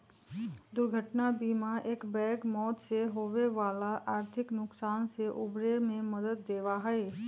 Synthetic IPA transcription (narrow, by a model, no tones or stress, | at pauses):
d̪ʊɾɡʱəʈnabiːmaʔeːkbɛːkmɔːt̪seɦoːʋeʋaːlaʔaːɾt̪ʰɪknʊksaːnseʔʊbɾemẽmɐd̪əd̪̚ːeːʋaɦɛe